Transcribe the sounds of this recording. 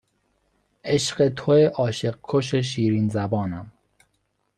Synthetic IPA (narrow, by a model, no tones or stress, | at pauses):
eʃɢet̪ʰoeʔɒːʃeɢ̚kʰːoʃ̬eʃ̬iːɾiːnzæbɒːnæm